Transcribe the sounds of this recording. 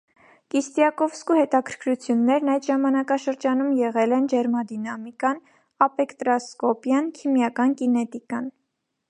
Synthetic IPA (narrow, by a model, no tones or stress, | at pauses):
kist̪jɑkɔvskuhɛt̪ɑkʰəɾ̥kʰɾut͡sʰjunːɛɾnɑjd̪ʒɑmɑnɑkɑʃəɾd͡ʒɑnumjɛʁɛlɛnd͡ʒɛɾmɑd̪inɑmikɑn | ɑpɛkt̪ɾɑskɔpjɑnkʰimjɑkɑnkinɛt̪ikɑn